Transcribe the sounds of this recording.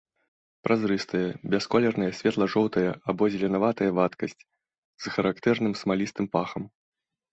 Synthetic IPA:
pɾʔazɾɨst̪ɐjɐbʲɛskɔlʲɛrnɐjɐsʲvʲɛt̪lˠɐʐɔwt̪ɐjɐabɔzʲlʲɛnavat̪ɐjɐvat̪kɐsʲt͡sʲ | z̥xɐɾakt̪ɛrnɨmsmalʲist̪ɨmpaxɐm

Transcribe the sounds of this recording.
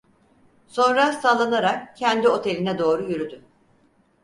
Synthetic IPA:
so̞nɾasalˠanaɾakcʰːɛnd̪io̞t̪ʰe̞lʲinɛd̪o̞ːɾujyɾyd̪y

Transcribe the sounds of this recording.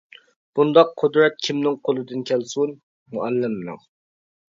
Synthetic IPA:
b̥und̪ɑqːʰod̪ɾɛt̪̚kʲʰimnɪŋqʰolˠɨd̪ɨnkʲʰɛlsun | muɛlːɪmːnɪ̰ŋ

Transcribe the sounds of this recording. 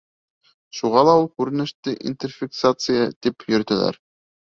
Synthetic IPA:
ʃuʁɑlˠɑulˠkʉɾɘ̆nɘ̆ʃt̪ɘʔḭnt̪ʲerfʲɪksat̪sɨjət̪ipjɵ̆ɾt̪ɘ̆læ̰ɾ

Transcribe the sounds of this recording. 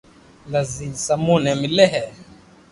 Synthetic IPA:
lazisamunɛmilɛɦɛ

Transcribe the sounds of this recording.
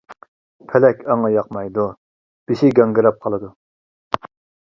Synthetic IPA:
pʰɛlɛkʲʰɑŋɑjɑqmɑjd̪u | b̥iʃiɡʲɑŋɡɨɾɑp̚qʰɑlˠɨd̪u

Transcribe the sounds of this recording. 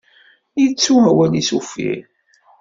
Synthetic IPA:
jit͡sːuɦæwælisufḭɾ

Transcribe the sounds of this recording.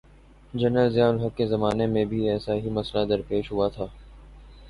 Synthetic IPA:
d͡ʒɐnɾəlzjaːlɦɐkːezɐmaːnemẽbʱiɛːsaɦimɐslad̪ɐɾpeːʃɦʊat̪ʰaː

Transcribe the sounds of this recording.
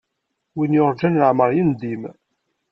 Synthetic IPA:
winjʊɾˤd͡ʒænəʕməɾˤjind̪im

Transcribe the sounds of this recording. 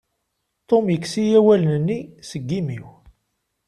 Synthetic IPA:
t̪ˤomjəkːsijæwælnənːisəɡːimiw

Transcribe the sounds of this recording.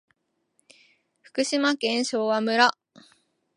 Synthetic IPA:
ɸɯ̟̥kɯ̟ɕimakẽ̞ɰ̃ɕo̞ːβamɯ̟ɾa

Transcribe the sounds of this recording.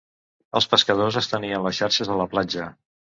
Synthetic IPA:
əlˠspəskəðozəst̪əniənləsʃaɾʃəzðələplad͡ʒə

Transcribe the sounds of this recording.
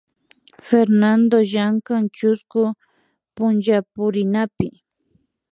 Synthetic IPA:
feɾnand̪oʒaŋkaŋt͡ʃʊskʊ | pʊnʒapʊɾɪnapɪ

